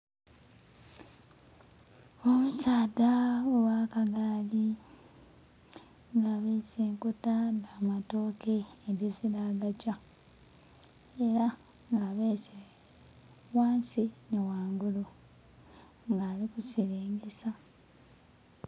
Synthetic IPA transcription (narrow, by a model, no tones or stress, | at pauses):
omusaːdaowaːkaɡaːli | ŋɡaːβeːseːŋkotadaːmatoːkeːɾezilaːɡaca | eɾa | ŋɡaβese | waːnsinewaːŋɡulu | ŋɡaːlikusileːŋɡesa